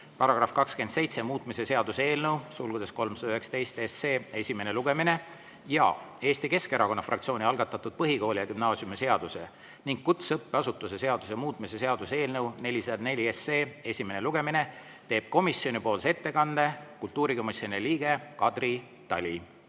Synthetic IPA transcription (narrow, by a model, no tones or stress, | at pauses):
pɑɾɑɡ̥rɑfkɑkske̞nd̪̥se̞jt̪se̞muːt̪mise̞se̞ɑd̪use̞ːlnəwsulɡud̪̥e̞sko̞lmsɑd̪ɑyheksɑ̥t̪e̞jst̪eseːe̞sʲime̞neluɡ̥e̞mine̞ | jɑ̰e̞ːst̪ike̞ske̞ɾɑko̞nːɑfrʔɑkt̪sio̞ːniɑlɡ̥ɑt̪ːˑɑt̪ːˑud̪̥̚pɤɦiko̞ːlʲijɑkymnɑːsiumese̞ɑd̪̥use | niŋɡ̥̚kut̪sɤpːeɑsut̪ːˑuse̞se̞ɑd̪usemuːt̪ˑmise̞se̞ɑd̪̥useːlnəwne̞lʲiseɑd̪ne̞lʲiese̞ːe̞sʲime̞neluɡ̥e̞mine̞ | t̪e̞ːb̥̚ko̞misjo̞nipo̞ːlse̞t̪ːe̞kɑnːd̪e̞kult̪ːuːɾiko̞misjonieliːɡ̥e̞kɑd̪̥ri | t̪ɑlʲi